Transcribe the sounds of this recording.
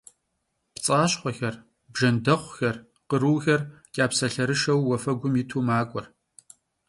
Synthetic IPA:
pt͡sʼaːɕχʷɔxɐr | bʒɐndɐχʷxɐr | qəɾɨːɣɐrkʲʼaːpsɐɬɐɾɨʂɐwːɔfɐɡʷʊmitʰuːmaːkʷʼɔr

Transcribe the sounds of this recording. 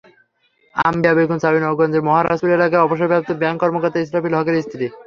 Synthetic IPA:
a̰mbjabeɡunsabinɔɡɔnd͡ʑeɾmɔɦaɾa̰ʃt̪oɾelakajɔboʃ̬eɾbʱap̚t̪obaŋkɔɾmokoɾt̪aisɾafilɦɔkeɾist̪ʰit̪i

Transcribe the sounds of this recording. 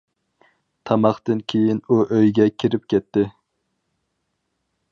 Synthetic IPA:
t̪ʰɑmɑχt̪ɨnkʲʰejinuʔøjɡʲɛkʲʰiɾɪp̚kʲɛt̪ːɪ

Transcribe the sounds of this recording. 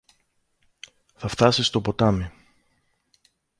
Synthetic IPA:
θɐft̪ɐsist̪o̞po̞t̪ɐmi

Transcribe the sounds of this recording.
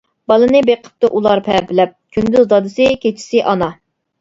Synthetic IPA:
b̥ɑlˠɨnɨbeqʰə̥p̚t̪ɨʔulˠɑɾpʰɛbɪlɛp̚kʲʰynd̪yzd̪ɑd̪ɨsɪkʲet͡ʃʰi̥sɪʔɑnɑ

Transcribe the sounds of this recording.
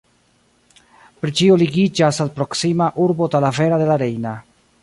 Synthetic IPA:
pɾit͡ʃioliɡid͡ʒasalpɾo̞ksimaʔuɾbo̞talafe̞ɾade̞laɾe̞jna

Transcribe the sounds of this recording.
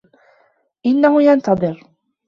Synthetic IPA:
ʔɪnːahʊjant̪ɑðˤɨɾ

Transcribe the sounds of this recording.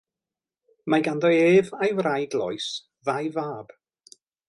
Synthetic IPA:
majɡandɔeːvajwrajɡlˠɔ̰js | ðajvaːb̥

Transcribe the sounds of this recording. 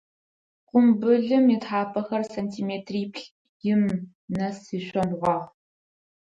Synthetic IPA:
qʷʊmbɨɮɨmitħaːpʰɐxɐrsɐntʰiːmeːtʰriːpʰɬ | jɪm | nɐsiːɕʷɔnʁʷɑːʁ

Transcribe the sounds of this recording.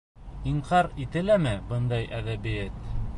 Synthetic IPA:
iɴqɑɾit̪ɘ̆læmɘbɤnd̪ɑjʔæðæbɘjæt̪

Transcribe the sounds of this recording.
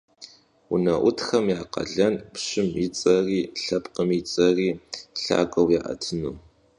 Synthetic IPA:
ʊnɐʔʷʊtxɐmjaːqɐ̰ɮɐnpɕɪmit͡sʼɐriːɬɐpqəmit͡sʼɐriːɬa̰ːkʼɐwjaːʔɐ̰tʰɨnuː

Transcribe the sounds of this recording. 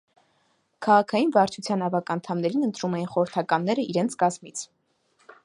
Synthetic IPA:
kʰɑʁɑkʰɑjinvɑɾt͡ʃʰut͡sʰjɑnɑvɑkɑnt̪ʰɑmnɛɾinənt̪ɾumɛjinχɔɾəɾt̪ʰɑkɑnːɛɾəiɾɛnt͡sʰkɑzmit͡sʰ

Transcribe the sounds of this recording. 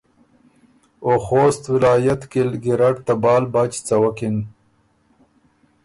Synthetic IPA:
oxoːst̪wɪlaːjat̪kilɡiɾaʈt̪abɑːlbat͡ɕt͡sawakin

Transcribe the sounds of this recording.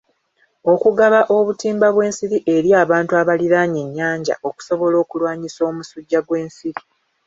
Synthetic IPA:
o̞kuɡaβaʔo̞βutiːmbaβwe̞ːnsiɾiʔe̞ɾjaːβaːntuaβaliɾaɲe̞ɲːaːɲɟa̰ʔo̞ku̥so̞βo̞lo̞ːkulwaːɲiso̞ːmusuɟːaɡwe̞ːnsiɾi

